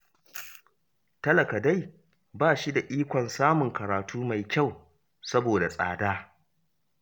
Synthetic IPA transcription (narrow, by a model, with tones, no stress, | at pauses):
tɐ˦lɐ˨ka˨da˦˨j | baː˦˨ʃi˦da˨ʔiː˦kʷɔ˨nsaː˦mʊ˨ŋkɐ˨ɾaː˨tuː˦ma˨jkʲa˦˨w | sɐ˦boː˨da˨sʼa̰ː˨daː˦